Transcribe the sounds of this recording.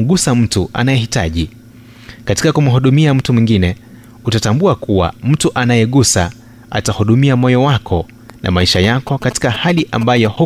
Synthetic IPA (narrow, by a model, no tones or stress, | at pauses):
ɠusam̩tuʔa̰najɛhita̰ʄi | kati̥kakum̩ɦuɗumiam̩tumwiŋɡinɛ | utatambuakuwa̰m̩tuʔanajɛɠusa | a̰tahuɗumiamɔjɔwakʰɔ | nʔa̰maiʃajakɔkati̥kahaliʔambajɔhu